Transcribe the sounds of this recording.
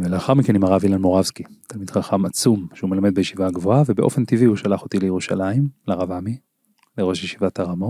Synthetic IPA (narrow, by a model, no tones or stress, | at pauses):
veleaχaʁmikenimaʁavilanmo̞ʁavskit̪almid̪χaχamat͡sumʃeumelamed̪bejeʃivaɡvoavebe̞ʔo̞fe̞nt̪ivihuʃalaχo̞t̪ilejeʁuʃalaimlaʁavami | leʁo̞ʃjeʃivat̪aʁamot